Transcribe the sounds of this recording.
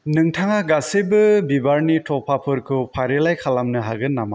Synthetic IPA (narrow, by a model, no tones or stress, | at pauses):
nɯŋtʰaŋaɡasebɯbibaɾnitʰɔpʰapʰɯɾkʰupʰaɾelajkʰalamnɯɦaɡɯnːama